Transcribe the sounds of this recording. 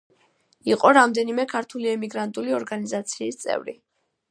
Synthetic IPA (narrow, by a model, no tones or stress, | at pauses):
iqʼɔɾamd̪ɛnimɛkʰaɾt̪ʰuliɛmiɡɾant̪ʼuliɔɾɡanizat̪sʰiːst̪sʼɛ̰vɾḭ